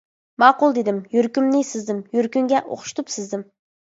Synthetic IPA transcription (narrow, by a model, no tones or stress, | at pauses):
mɑːqʊlˠd̪ed̪ɪmjɵɾkʲymnɪjsɪzd̪ɪmjɵɾkʲyŋɡʲɛʔo̰χʃt̪ʊpsɪzd̪ɪm